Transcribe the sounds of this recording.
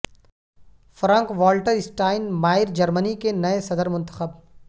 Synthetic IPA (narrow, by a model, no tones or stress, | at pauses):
fɾãːŋkʋɔːlʈəɾɪsʈaːɪnmaːɪɾd͡ʒɐɾmənikenɐesɐd̪əɾmʊ̃nt̪əxəb